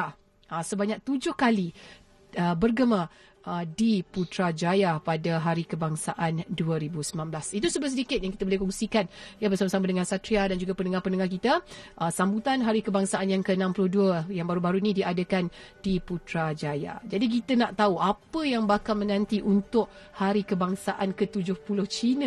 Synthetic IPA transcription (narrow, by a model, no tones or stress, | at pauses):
əsəbaɲak̚t̪ud͡ʒʊhkali | əbərɡəma | ʔədiput̪ɾad͡ʒajapadaɦaɾikəbaŋsaʔanduəɾibusəmãnblasit̪usəbəs̬ədikɪt̪̚jaŋkit̪əbolɪhkɔŋsikanijabərsamasamadəŋansat̪ɾiadand͡ʒuɡapənəŋahpənəŋahkit̪əʔəsambut̪anɦaɾikəbaŋsaʔanjaŋkəənãmpulʊhduəjaŋbaɾubaɾuinĩdiadəkandiput̪ɾad͡ʒaja̰d͡ʒadik̬it̪ənaʔt̪auʔapəjaŋbakalmə̃nãnt̪iʔunt̪ʊʔhaɾikəbaŋsaʔankət̪ud͡ʒʊhpulʊht͡ʃinə